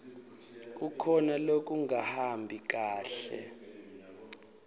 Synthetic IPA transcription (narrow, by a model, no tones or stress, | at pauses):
k̬ʼukʰɔnalok̬ʼuŋahambʱik̬aːɬɛ̰